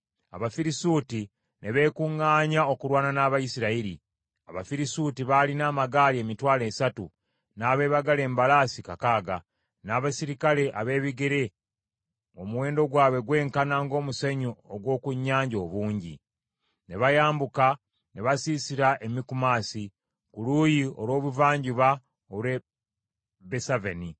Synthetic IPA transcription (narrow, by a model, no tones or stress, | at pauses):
a̰βafiɾisuːti | nʔe̞βe̞ːkuŋːaːɲao̞kuɾwaːnanaːβajisiɾaiɾi | a̰βa̰fiɾisutiβalinaːmaɡaːlie̞ːmitwaːle̞ːsatu | naːβe̞ːβaɡale̞ːmbalaːsikakaːɡa | naːβasiɾikale̞ʔa̰βe̞ːβiɡeɾe̞ | o̞muwe̞ːndo̞ɡwaːβwe̞ɡwe̞ːŋkanaːŋɡo̞ːmuseɲooɡwo̞ːkuɲːaːɲɟoːβuːɲɟḭ | ne̞βajaːmbuka | ne̞βasiːsiɾaʔe̞mikumaːsi | kuluːjio̞lwo̞ːβuvaːɲɟuβa | oβɾwe | besaveni